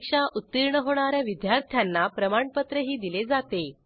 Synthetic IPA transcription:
kʂaʔut̪ːiɾɳəɦoɽ̃aɾjaʋid̪jaɾt̪ʰjanːapɾəmaɳpət̪ɾəɦiːd̪iled͡zat̪e

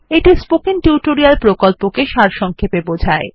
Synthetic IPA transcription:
eʈispokiŋʈjuʈoɾialpɾokolpokeʃaɾʃɔŋkʰepebod͡ʑʱae

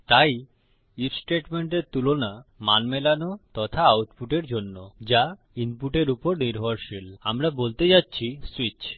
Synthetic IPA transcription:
t̪aj | iɾsʈeʈmeɳʈeɾt̪ulonamanmelanot̪ɔt̪ʰaawʈpuʈeɾd͡ʑonːod͡ʑa | inpuʈeɾupoɾniɾɦaɾʃilamɾabolt̪ed͡ʑatːɕʰiswit͡ɕ

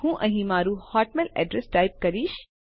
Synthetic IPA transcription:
hũːʔɐ̃ɦĩmaːɾuhaːʈmelɛ̰ːɖɾesʈaːɪp̚kɐɾiːʃ

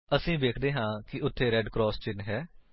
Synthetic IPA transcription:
əsĩːʋeːkʰd̪eːɦãːkɪʔʊt̪ʰːeːɾɛːɖkɾɔːst͡ʃɪnɦɛː

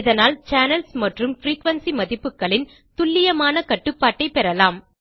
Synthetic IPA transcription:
ɪðɐnaːlt͡ʃaːnɐlsmɐʈrɯmfɾiːkʋɐnsimɐðɪpːɯkːɐɭɪn | t̪ʊlːɪjɐmaːnɐkɐʈːɯpːaːʈːɐɪpɛɾɐlaːm

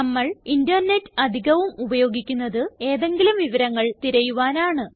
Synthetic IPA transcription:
ɐmːɐɭindɐrne̞tːɨ̥ɐd̪ʱiɣɐʋumubɐjo̞ːɡikʲːunːɐðɨe̞ːðe̞ŋɡilumʋiʋɐɾɐŋːɐɭt̪iɾɐjuʋaːnaːɳɨ

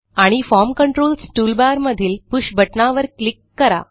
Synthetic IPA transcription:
aɽ̃ifɔɾmkəɳʈɾolsʈulbaɾməd̪ʱiːlpuɕbəʈnaʋəɾklikːəɾa̰

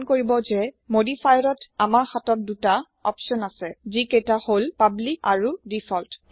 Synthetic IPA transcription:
nkoɹibɔzɛmodifʰajɹɔtamaɹxatɔt̚duta | ɔ̰pʃɔnasɛziketaholpablika̰ɹudifʰɔlt

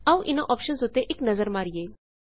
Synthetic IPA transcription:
aʋʔinoʔɔpʃənsɦot̪eʔeknɐzəɾmaɾije

